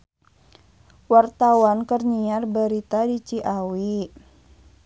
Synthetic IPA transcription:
wart̪awankərɲiarbəɾit̪adit͡ʃiʔawi

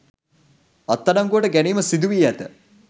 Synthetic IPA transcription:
ɐt̪ːanaŋɡuəʈəɡæniːməsid̪uʋiːæt̪ə

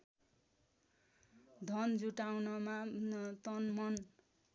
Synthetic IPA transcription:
d̪ʱʌnd͡zuʈawnʌmat̪ʌnmʌn

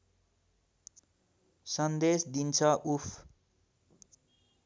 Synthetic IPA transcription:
sʌnd̪esd̪int͡sʰʌʔupʰ

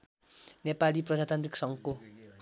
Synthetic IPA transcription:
nepaliprʌd͡zat̪ant̪riksʌŋɡko

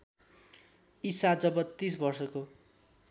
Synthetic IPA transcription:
isad͡zʌbʌt̪ːis̬bʌrsʌko

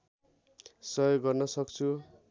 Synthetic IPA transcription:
sʌjoɡːʌrnʌsʌkt͡sʰu

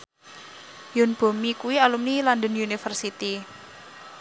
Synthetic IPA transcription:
jʊnb̥o̤mikuwialumniland̪ənjunifərsit̪i

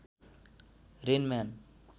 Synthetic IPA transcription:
ɾenman

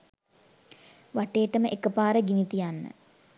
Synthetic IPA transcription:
ʋaʈeːʈəməʔekəpaːɾəɡinit̪ijanːə̰

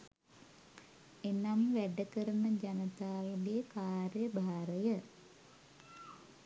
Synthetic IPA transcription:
enamʋæɖəkəɾunəd͡ʒanət̪aːlɡekaːɾjəbʱaːɾəjə

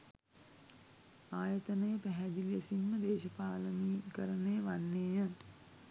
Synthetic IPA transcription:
aːjət̪ənəjəpæɦæd̪ilesinməd̪eːʃəpaːləniːkəɾənejəʋanːeːjə

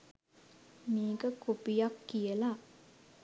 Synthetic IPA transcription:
miːɡəkopijakːijəla

